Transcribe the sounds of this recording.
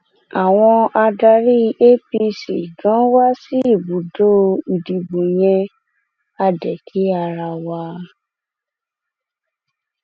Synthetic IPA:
a˨w̃ɔ̃˧a˧da˧ɾi˦˧ʔe˦pi˧sḭ˨ɡã˨˦wa˦si˦i˦˨bu˨do˦˧i˨di˨bo˨j̃ɛ̃˧ | a˧dɛ˨kʰi˨˦a˧ɾa˧wa˧

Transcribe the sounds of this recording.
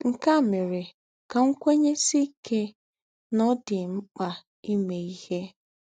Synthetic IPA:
ŋ̩˨ka˦˨me˨ɾe˨ | ka˨ŋ̩˦kʷe˦ɲe˦si˦ke˦ | nɔ˦dɪ˨ŋ͡m̩˦k͡pa˨ | i˦me˨i˦he˦

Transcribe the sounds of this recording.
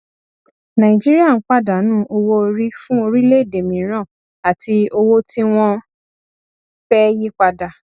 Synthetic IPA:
nã˨ĩ˨d͡ʒi˦ɾi˦a˦˨n̩˦k͡pa˦˨da˨˦nũː˦ʔo˧wo˦˧ɾi˦fũ˦o˧ɾi˦le˦˨de˨mĩ˨˦ɾ̃ã˦˨ | a˨ti˧o˧wo˦ti˦w̃ɔ̃˦ | fɛ˦ji˦k͡pa˧da˨

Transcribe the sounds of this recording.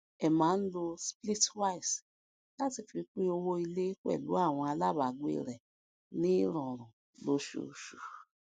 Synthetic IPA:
ɛ˨mãː˨˦n̩˦lo˧spli˦twa˦i˨s | la˦ti˧˨fi˧k͡pĩ˦o˧wo˦i˧le˦k͡pɛ̰˦˨lṵ˨˦a˦˨w̃ɔ̃˧a˧la˦˨ba˨ɡḛ˦˨ɾɛ˨ | nĩ˦ɾɔ̃˨ɾ̃ũ˨ | lo˨˦ʃṵ˨ʃu˨

